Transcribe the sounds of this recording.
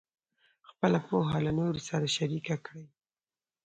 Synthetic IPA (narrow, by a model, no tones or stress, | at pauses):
xpəlapoɦalanoɾosaɾaʃaɾikakɽəj